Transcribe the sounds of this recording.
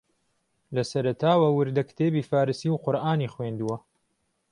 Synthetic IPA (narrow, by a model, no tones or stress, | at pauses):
lɐsɐɾɐt̪ʰaːwɐwʊɾd̪ɐkt̪ʰeːbiːfaːɾɨsiːwqʊɾʔaːnixweːnd̪uwɐ